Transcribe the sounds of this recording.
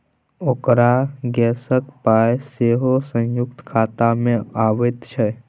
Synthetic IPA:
oːkɾaɡɛsəkpajseɦosə̃jʊk̚t̪kʰaːt̪amẽaʋət̪t͡ʃʰɛ

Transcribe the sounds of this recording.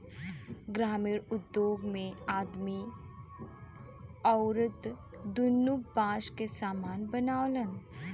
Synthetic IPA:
ɡɾaːmiːɾʊd̪joːɡmẽaːd̪mi | əwɾəd̪ | d̪ʊnːubaːʃkesaːmaːnbənaːwlən

